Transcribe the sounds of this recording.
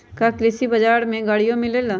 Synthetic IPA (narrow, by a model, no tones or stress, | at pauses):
kɐklɪsibɐd͡ʒaːɾmẽɡaːɽijõmɪlel